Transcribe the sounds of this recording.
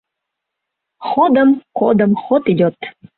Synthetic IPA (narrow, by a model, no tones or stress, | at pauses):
xod̪əmkod̪əmxot̪id̪ʲot̪